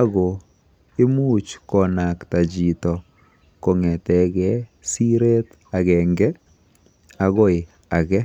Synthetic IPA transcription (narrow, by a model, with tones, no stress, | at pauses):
a˦ɣɔ˨ | ɪ˦mu˦t͡ʃkɔ˨na˨kta˨d͡ʒi˨tɔ˨ | ko˨ŋɛ˨tɛ˨ɣɛ˨˦ | si˦ɾe˦t | a˨ɣɛ˨ŋɡɛ˦ | aɣɔ˦ɪ˨ | a˨ɣɛ˦